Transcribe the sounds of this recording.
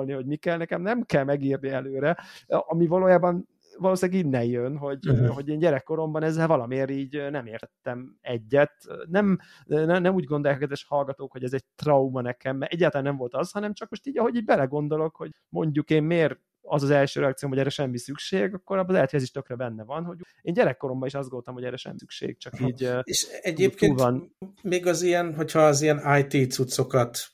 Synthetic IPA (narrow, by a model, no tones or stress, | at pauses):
lnihoɟmikɛlnɛkɛmnɛmkɛlmɛɡiːrniɛløːɾɛɒmivɒloːjaːbɒn | vɒloːsijaːɡinːɛnjønɦo̞ɟɦo̞ɟeːnɟɛɾɛkːo̞ɾo̞mbɒnɛzːɛlvɒlɒmeːɾiːɟnɛmeːrt̪ɛt̪ːɛmɛɟːɛt̪nɛm | nɛnɛmuːɟɡo̞nd̪o̞jakɒkɛd̪vɛʃhɒlɡɒt̪oːkho̞ɟɛzɛɟ̚t̪rɒumɒnɛkɛmːɛʔɛɟːaːt̪lanɛmvo̞lt̪ɒzhɒnɛmt͡ʃɒk̚mo̞ʃt̪iːɟɒɦo̞ɟiːɟbɛlɛɡo̞nd̪o̞lo̞kho̞ɟ | mo̞ɲɟukeːmmeːɾ | ɒzɒzɛlʃøːɾɛɒkt̪sioːmhoɛɾːɛʃɛmːisykʃeːɡɒkːoɾɒbːlɛɦɛt̪hoɛziʃt̪økrɛbɛnːɛvɒnho̞ɟ | eːnɟɛɾɛkːo̞ɾo̞mbɒiʃɒzd̪ɡonot̪ɔmhoɟɛɾɛʃɛ̰mːisykʃḛːɡ̥̚t͡ʃɒkiːɟeʃɛɟeːk̪euːlvɒnmeːɡɒzijɛnɦo̞chɒːzijɛnaːjt̪iːt̪sut̪so̞kɒt̪